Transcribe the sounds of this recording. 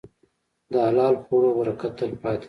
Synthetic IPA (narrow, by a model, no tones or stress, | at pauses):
d̪əalɑːlxuɽobaɾakat̪əlpɑːt̪